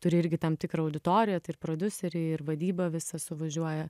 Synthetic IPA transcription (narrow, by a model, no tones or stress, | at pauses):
t̪ʊɾʲɪɪɾʲɡʲɪt̪ɐmt̪ʲɪkɾɐɐʊd̪ʲɪt̪oːɾʲɪjɛt̪ɐɪɪrpɾoːd̪ʲʊsʲɛɾʲɛɪrʋɐd̪ʲiːbɐʋʲɪsɐsʊʋɐʒʲuɔjɛ